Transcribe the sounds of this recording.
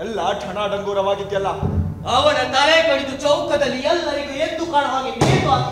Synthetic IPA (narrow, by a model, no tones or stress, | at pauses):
ɐlːaʈʰɐɳaːɖɐŋɡ̪oːɾɐʋaːɡit̪jɐlːaː | ɐʋɐnɐt̪aɾekɐɽid̪ut͡ʃɐwkɐd̪ɐlːijɐlːɐɾid̪uend̪ukaːɽɦaːɡemeːt̪a